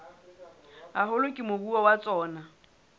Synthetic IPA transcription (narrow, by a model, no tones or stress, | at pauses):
aɦʊlʊkʼɪmobuwawat͡sʼɔːna